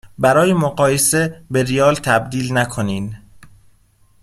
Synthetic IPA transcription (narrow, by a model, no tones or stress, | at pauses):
bæɾɒːjemoɢɒːjese̞beɾijɒːlt̪ʰæbd̪iːlnækʰoniːn